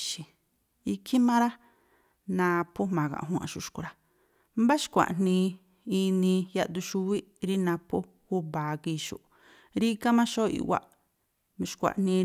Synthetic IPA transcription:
ʃi˨ | i˧kʰi˦mã˦ɾa˦ | nã˧pʰo˦mã˨kã̰˨ɦũ˦ã̰˧ʃu˧ʃku˨˧ɾa˦ | mba˦ʃkʷa̰˨ʔn̥nĩ˧ | i˧nĩ˧ja˧d̪u˧ʃu˧wi˦ | ɾi˦nã˧pʰo˦ | ku˦baː˨ki˧ʃṵ˨ʔ | ɾi˦ka˦mã˦ʃo˦ḭ˧ʔwa̰˦ʔ | ʃkʷa̰˨ʔn̥nĩ˧

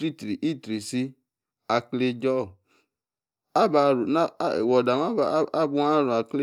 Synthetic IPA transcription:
ɾi˦tɾi˨ʔi˦˨tɾi˨si˧ | a˧kle˦˧d͡ʒɔ˦˨ | a˦ba˧ɾu˨na˦˨wɔ˨da˨m˦a˦ba˨˦a˦bu˧˦a˦ɾũ˨a˨kle˦

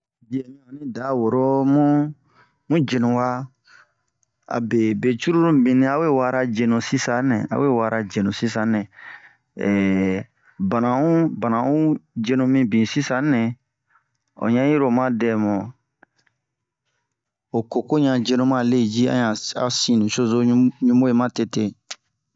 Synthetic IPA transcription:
d͡ʒi˨ɛ˨mĩ˦o˨nĩ˦da˨˦wo˨ɾo˦mũ˦ | mũ˦d͡ʒe˨nũ˨wa˦ | a̰˨be˨be˨t͡ʃu˦ɾu˦ɾũ˦bĩ˨nĩ˦a˦we˦˨wa˦ɾa˧d͡ʒe˨nũ˨si˦sa˨˦nɛ̰̃˨a̰˨˦we˦˨wa˦ɾʔa˨d͡ʒe˨nũ˨si˦sã˨˦nɛ̃˨ | ba˨nã˨ũ˦ba˨nã˨ũ˦d͡ʒe˦nũ˧mĩ˦bĩ˨si˦sã˨˦nɛ̃˨ | o̰˨ɲã˦ji˦ɾo˨mã˦dɛ˨mɔ˨ | o˨ko˨ko˦ɲã˨d͡ʒe˧nũ˦mã˦˨le˦˨d͡ʒi˦ã̰˦˨ɲã˨a̰˨˦sĩ˦˨nũ˨ʃo˦zo˦ũ˦ɲũ˦mo˦je˨mã˦te˨te˦

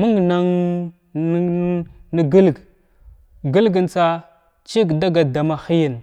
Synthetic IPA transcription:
mu˦ŋ˨na˦ŋ˦ | nə˦ɡə˦lɡ | ɡə˦lɡə˨nt͡sa˦ | t͡ʃi˦ɡda˦ɡa˨da˨ma˨xi˦jə˨n

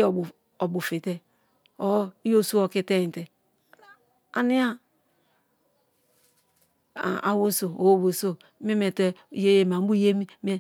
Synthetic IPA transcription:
o˨bu˨fi˨te˦ | o˨˦i˦o˦so˦o˨ki˦te˦i˨te˨ | a˨ni˦a˦˨ | a̰˨wo˦so˨o˨wo˦˨bo˨so˦ | me˦me˨te˦˨je˦je˨m˨a˨˦bu˦je˦mi˦me˦

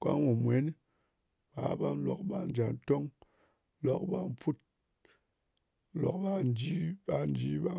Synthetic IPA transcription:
ka̰˦ŋwu˨mwe˨˦n˦ | ba̰˨˦ba˦n˦lo̰˨k̚ɓa˨n˦d͡ʒa˨nto˦ŋ˦ | lo˨k̚ba˦m˦fu˦t̚ | lo̰˨k̚ba˦n˦d͡ʒi˦ba˨n˦d͡ʒi˦ba˦

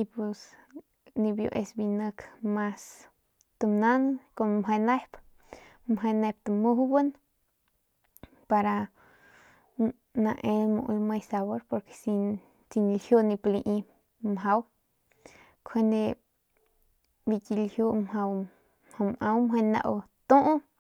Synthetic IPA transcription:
ipu˧s | ni˧bjo̰˧ʔe˧sbinəkmas | t̪ɨmna˦nko˧nmɦa˧na˦hp | mɦa˧ne˧p̚t̪ɨmuhbɨn | paɾa | nã˧ʔe˧lmṵ̃˧ʔu˧lma˧jsaβo˦ɾpo˧ɾke̥˧si˧ | t͡si˧n˧lhju˦ni˧pli˧ʔi˧ | mɦa˧w | kʰe˧nd̪e˧ | bi˧ki˧lhju˧mha˧w | mha˧mʔa˧wmwe˧na̰˧ʔwt̪u˦ʔ

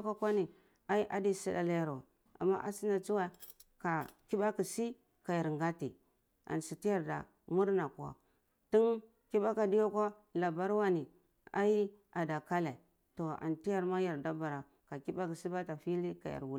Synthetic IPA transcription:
ka˦kʷa˦ni˨ | a˦i˦ʔa˦di˦si˦da̰˦la˦ja˨ɾwa˨ | a̰˨mːa̰˦ʔa̰˦si˦na˨t͡su˦wa˦˨ | ka˨ki˦ba˦ki˨si˦ | ka˨ja˨ɾŋɡa˦ti˨ | a̰˨nsi˨ti˦ja˦ɾda̰˨ | mu˦ɾna˨ku˨a̰˨ | ti˦n | ki˦ba˦ka˨di˦jo˦ka˦ | la˨ba˦ɾwa˦ni˨ | a̰˦ji˦a˨da˨ka˦la˨ | to˨a̰˨nti˦ja˦˨ɾma˦ja˨ɾda˦ba˨ɾa˨ | ka˨ki˦ba˦ki˨si˦ba˦ta˨fi˦li˦ka˨ja̰˨ɾwu˦

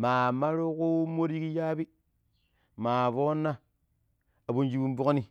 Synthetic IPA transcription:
maː˨ma˦ɾu˦ku˦mo˦ɾi˦ki˦ja˦bi˦ | maː˨vo˦nːa˦ | a˨bo˨nd͡ʒi˦bu˦m˦bu˦kni˦

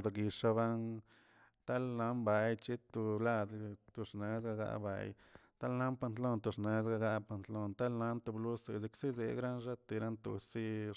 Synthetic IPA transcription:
d̪ɡi˧ʂa˧βa˦n | t̪a˦lna˧˦mba˨˧jt͡ʃi˦t̪u˧la˧d̪t̪u˧ʂne˨˦zɡa˧ɡa̰˧ʔba̰˧j | t̪a˦lna˦mpa˧nt̪lo˦nt̪u˧ʂne˨zɡa˧ɡa˧pa˧nt̪lo˧nt̪a˦lna˧˦nt̪u˧blu˦se˧zi˧ksi˦zḛ˨ɡɾa˦nʐa˦t̪i˧ɾa˦nt̪ṵ˧si˦

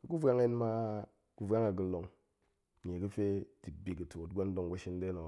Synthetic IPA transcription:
ka˨ku˦vʷa˦ŋ˦e˦n˦ma˦ | ku˦va˦ŋa˨ɡu˨lo˨ŋ˨ | ɲe˨kɨ˦fe˦ti˨k̚bi˨ki˨tu˨o˨tɡʷa˦n˦do˦ŋ˨ɡa˦ʃi˦n˦de˦no˨

